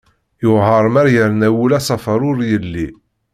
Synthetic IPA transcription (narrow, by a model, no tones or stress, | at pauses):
jʊhəɾˤmæɾjəɾnæwulɑsˤɑfəɾˤʊɾjəlːi